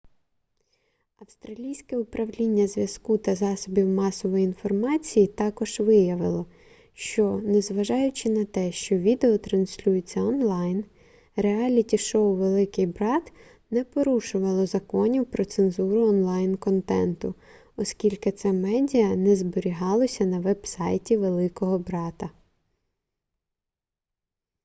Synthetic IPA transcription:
ɐwst̪ɾɐlʲijsʲkɛʊpɾɐwlʲinʲːɐzʋʲjɐskut̪ɐzɑsɔbʲiwmɑsɔʋɔjiinfɔrmɑt͡sʲijit̪ɑkɔʒ̥ʋɪjɐʋɪlˠɔ | ʃt͡ʃɔnɛzʋɐʒɑjʊt͡ʃɪnɐt̪ɛʃt͡ʃɔʋʲid̪eɔt̪ɾɐnsʲlʲujɪt͡sʲːɐɔnlˠɑjn | reɑlʲitʲiʃɔwʋelˠɪkɪjbɾɑt̪ | nɛpɔɾuʃʊʋɐlˠɔzɐkɔnʲiwpɾɔt̪senzuɾʊɔnlˠɑjnkɔnt̪ɛnt̪ʊ | ɔskʲilʲkɪt̪sɛmɛdʲijɐnɛzbɔɾʲiɦɑlˠɔsʲɐnɐʋɛbsɑjtʲiʋelˠɪkɔɦɔbɾɑt̪ɐ

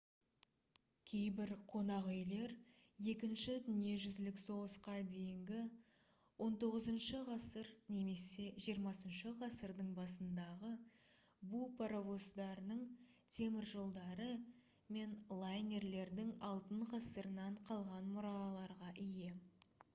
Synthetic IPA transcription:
kʲʰe̞jbɪɾqʰo̞nɑʁʏjle̞ɾ | je̞kʲɪnʃɪd̪ʏnie̞ʒʏzlɪkso̞ʁəsqɑd̪e̞jɪŋɡʲɪ | wʔo̞nt̪o̞ʁəzənʃəʁɑsəɾne̞me̞se̞ʒijəɾmɑsənʃəʁɑsəɾd̪əɴbɑsənd̪ɑʁə | bupʰaɾavo̞sd̪ɑɾənəɴ | t̪ʲʰe̞mɪɾʒo̞lˠd̪ɑɾə | me̞nlˠajnʲe̞ɾle̞ɾd̪ɪŋɑlˠt̪əɴʁɑsəɾənɑɴqʰɑlˠʁɑnmʊɾɑlˠɑɾʁɑʔɪje̞

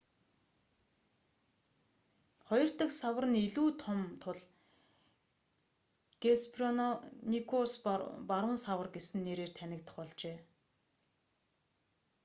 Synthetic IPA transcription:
χɔjɞ̆r̥t̪ə̆ksawə̆rə̆niɮuːt̪ʰɔmt̪ʰʊɮ | ɡ̥espʰrɔnnikʰospaɾə̆nsawə̆rɡesɘ̆nːeːɾeːr̥t̪ʰænʲɪ̆kt̪ə̥̆χɔɮt͡ɕeː

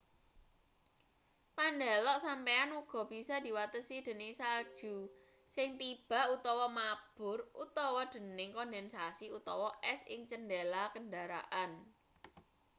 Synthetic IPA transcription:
pandalɔʔsampeanuɡ̥ɔ̤b̥i̤sɔd̪̥i̤wat̪əsid̪̥ə̤nɪsad̥ʒ̥ṳ | sɪŋt̪ib̥a̤ut̪ɔwɔmab̥ʊ̤rṵt̪ɔwɔd̪̥ə̤nɪŋkɔndɛnsasiut̪ɔwɔʔɛsɪ̰ŋt͡ʃəndelakəndaɾa̰ʔan

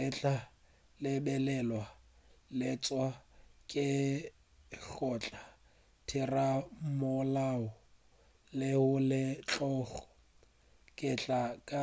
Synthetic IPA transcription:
ɪt͡ɬʼa | lɪbɛlɛlwalɪt͡sʼwakʼɪ | ɬɔt͡ɬʼa | tʰɪramʊlaʊ | lɪhʊlɪt͡ɬʼɔːχɔ̥ | kʼɪt͡ɬʼakʼa

